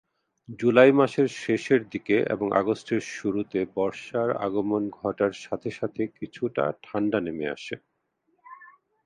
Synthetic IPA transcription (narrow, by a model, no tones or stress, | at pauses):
d͡ʑulajmaʃeɾʃeʃeɾd̪ikeʔḛboŋʔa̰ɡosʈʰeɾʃuɾut̪ebɔɾʃaɾa̰ɡomonɡʱɔʈaɾʃat̪ʰeʃat̪ʰekit͡ɕʰuʈa̰ʈʰaɳɖanemea̰ʃe